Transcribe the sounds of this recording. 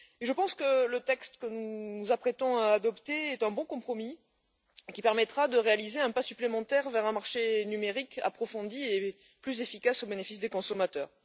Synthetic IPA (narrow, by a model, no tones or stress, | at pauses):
eʒəpɑ̃skələt̪ɛkst̪kənunuzapχet̪ɔ̃aːd̪ɔpt̪eɛt̪ɛ̃bɔ̃kɔ̃pχɔmi | kʲipɛʁmɛt̪χad̪əʁealizeɛ̃pasyplemɑ̃t̪ɛʁvɛʁɛ̃maʁʃenymeʁika̰pχɔfɔ̃d̪ie | plyzefikasobenefisd̪ekɔ̃sɔmat̪œːʁ